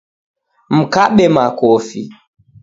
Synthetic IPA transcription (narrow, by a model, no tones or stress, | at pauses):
m̩kaɓɛmakofḭ